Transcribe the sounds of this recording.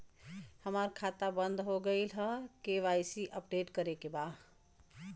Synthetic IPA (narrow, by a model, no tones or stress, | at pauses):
həməɾkʰat̪abənd̪ʱɦoɡəɪlɦəkeʋajsiʔəpɖeʈkəɾekeba